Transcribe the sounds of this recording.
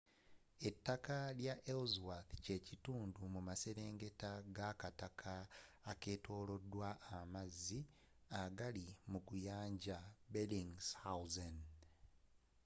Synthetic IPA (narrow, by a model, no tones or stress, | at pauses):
e̞tːakaljaʔelzwaθce̞cituːndumumase̞ɾe̞ːŋɡe̞taɡakatakʰaːke̞ːto̞ːlo̞dːwaʔːmazːi | aɡalimukujaːɲɟabeliŋshauzan